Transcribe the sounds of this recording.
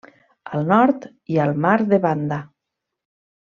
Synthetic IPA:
əlˠnɔɾt̪ | iəlˠmaɾðeβand̪a

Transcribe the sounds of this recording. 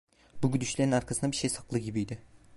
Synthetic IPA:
buɟyd̪yʃlʲeɾinaɾkʰasɯnd̪abiɾʃejsaklˠɯɟibijd̪ɪ

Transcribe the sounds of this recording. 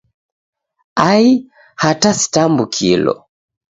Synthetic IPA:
ai | hatasi̥tambukʰilɔ̰

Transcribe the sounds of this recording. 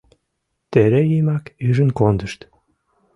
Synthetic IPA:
t̪eɾejimɑkyʒənkond̪əʃt̪

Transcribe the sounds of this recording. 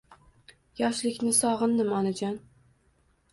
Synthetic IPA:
jɒʃlɪkʲnɪsɒʁɨnd̪ɪmɒnad͡ʒɒn

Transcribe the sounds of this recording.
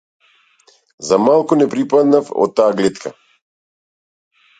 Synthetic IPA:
zamalˠkunɛpɾipad̪nafɔ̰t̪ːaːɡlɛt̪kʰa̰

